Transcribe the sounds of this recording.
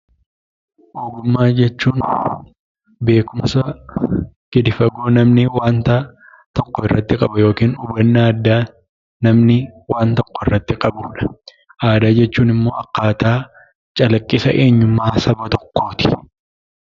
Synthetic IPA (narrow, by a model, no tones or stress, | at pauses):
ʔoːɡʊmːaːd͡ʒɛt͡ʃːuːn | be̞ːkʊmɐsɐ | ɡ̥ɪd̪ɪfɐɡoːnɐmnɪwaːnt̪ɐ | t̪ɔkːɔɪrːɐt̪ːɪkʼɐbɐjo̞ːkiːnʊbɐnːaːd̪ːaː | nɐmnɪwaːnt̪ɔkːɔɪrːɐt̪ːɪkʼɐbuːᶑɐ̥ | ʔaːd̪aːd͡ʒɛt͡ʃːuːnɪmːo̞ːɐkːaːt̪aː | t͡ʃʼɐlɐkʼːɪsɐ̰ʔe̞ːɲːʊmːaːsɐbɐt̪ɔkːo̞ːt̪ɪ̥